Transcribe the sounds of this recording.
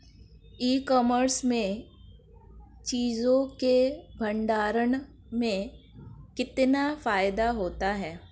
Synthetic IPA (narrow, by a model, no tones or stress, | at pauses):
iːkɔːməɾsmẽ | t͡ʃiːzõkebʱə̃ɳɖaːɾən | mẽ | kɪt̪nafaːɪd̪aɦoːt̪aɦɛː